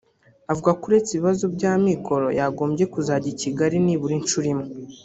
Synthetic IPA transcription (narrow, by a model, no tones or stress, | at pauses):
avuɡakuɾe̞t͡seβiβazubɟaːmiko̞ɾo̞̰jaɡo̞ːmbɟje̞kuzaɟiciɡaɾiniβuɾint͡ʃuɾimu